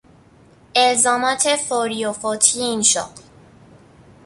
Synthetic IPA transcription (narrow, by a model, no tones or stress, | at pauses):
ezɒːmat̪ʰefoɾijofot̪ʰiinʃɒ̰ːql